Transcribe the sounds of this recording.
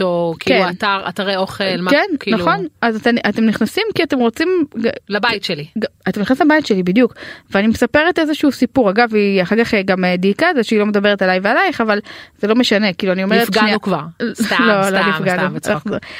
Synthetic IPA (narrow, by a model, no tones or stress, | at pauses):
tokikːeataʁa̰t̪aʁeoχelmkenkinaχo̞nazateatemniχnasimkiate̞mʁot͡simɡalabajitʃeliɡaat̪emniχnaslmabajtʃelibidjukveanimesape̞ʁete̞zeʃuusipuʁaɡaviaχaʁkaχɡamediːkazeʃeilo̞med̪abe̞ʁetalajvealajχavalz̥elo̞me̞ʃane̞kiːluanio̞meʁetfɡaiukvaʁt̪alolnifɡɡanuv̰aχu